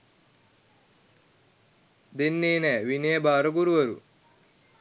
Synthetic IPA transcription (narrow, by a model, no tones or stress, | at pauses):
d̪enːeːnɛːʋineːbaːɾɐɡuɾuʋɐɾṵ